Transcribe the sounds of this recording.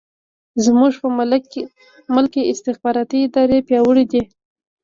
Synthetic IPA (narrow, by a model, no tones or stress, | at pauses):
zmuʐpə | məlkeʔɪst̪ɪxbɑɾɑt̪iːd̪ɑɾepjɑwəɽid̪e